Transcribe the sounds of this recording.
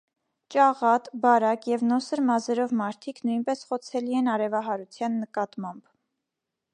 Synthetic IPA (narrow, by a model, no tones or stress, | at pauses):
t͡ʃɑʁɑt̪bɑɾɑkjɛvnɔsəɾmɑzɛɾɔvmɑɾt̪ʰiknujnpɛsχɔt͡sʰɛliɛnɑɾɛvɑɦɑɾut͡sʰjɑnːəkɑt̪mɑmb